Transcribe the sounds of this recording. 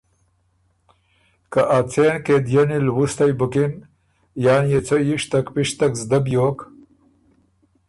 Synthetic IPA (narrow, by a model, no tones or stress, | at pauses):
kaʔat͡sʰeːnked̪jɐnilwust̪ajbukin | jaːnjet͡sojiʂt̪ɐkpiʂt̪ɐkzd̪ɐbjoːk